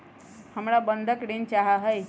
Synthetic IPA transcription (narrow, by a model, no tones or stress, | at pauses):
həmɽabənd̪ʱəkɽent͡ʃaɦaɦəj